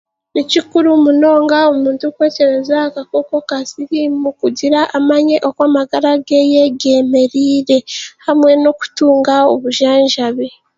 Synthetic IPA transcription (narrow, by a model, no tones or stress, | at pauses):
nicikuɾumuno̞ːŋɡaomuːntukwe̞ːce̞ɾe̞zakako̞ko̞kasiɾimukuɟiɾaʔːmaɲe̞ʔo̞kwaːmaɡaɾaɡeje̞ɡe̞ːme̞ɾiːɾe̞hamwe̞no̞ku̥tuːŋɡao̞βuʒaːɲʒaβe